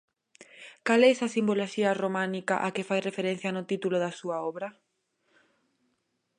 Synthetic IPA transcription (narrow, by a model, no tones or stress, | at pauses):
kalɛɛsɐsimboloʃiɐromãnika̰ʔakɪfajrefeɾen̟θjanʊt̪it̪ulʊðasuɐɔβɾɐ